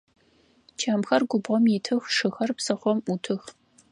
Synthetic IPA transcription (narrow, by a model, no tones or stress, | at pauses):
t͡ʃʰaːmxɐrɡʷʊbʁɔmjɪtʰɨxʂɨxɐrpsɐχʷɔmutʰɨx